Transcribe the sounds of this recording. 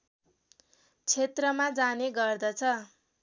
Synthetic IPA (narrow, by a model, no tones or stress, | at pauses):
t͡sʰet̪rʌmad͡zaneɡʌrd̪ʌt͡sʰʌ